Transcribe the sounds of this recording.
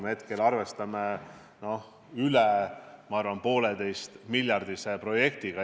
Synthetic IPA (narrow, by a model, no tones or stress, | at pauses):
mhe̞t̪kelɑrve̞st̪ɑme | no̞h | ylemɑɑrvɑnpo̞ːled̪e̞jst̪milʲjɑrd̪isepro̞je̞k̚t̪iɡ̥ɑ